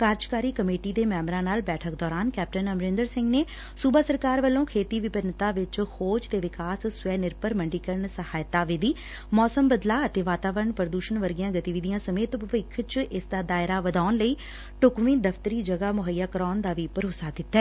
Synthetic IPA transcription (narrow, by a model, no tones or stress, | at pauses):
kaːɾd͡ʒkaːɾiːkəmeːʈiːd̪eːmɛːmɾãːnaːlbɛːʈʰəkd̪ɔːɾaːnkɛːp̚ʈənəmɾɪnd̪əɾsɪ̃ŋɡneː | suːbaːsəɾkaːɾʋəlːõːkʰeːt̪iːʋɪpənt̪aːʋɪt͡ʃhoːd͡ʒt̪eːʋɪkaːssʊʋɛːnɪɾpəɾməɳɖiːkəɾəɳsəhaːjt̪ːaːʋɪd̪iː | mɔːsəmbəd̪laːət̪eːʋaːt̪aːʋəɾəɳpɾəd̪uːʃənʋəɾɡijãːɡət̪iːʋid̪ɪjãːsəmeːt̪əʋɪkʰt͡ʃʔɪsd̪aːd̪aːɪɾaːʋəd̪aːnləiː | ʈʊkʋĩːd̪əft̪əɾiːd͡ʒəɡaːmʊɦəjːaːkəɾɔːnd̪aːʋiːpəɾoːsaːd̪ɪt̪ːɛː